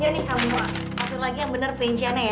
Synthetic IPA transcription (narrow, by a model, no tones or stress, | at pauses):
d͡ʒanɪhk̪amua | at̪ʊrlaɡijaŋbənərpɾiɲt͡ʃianaja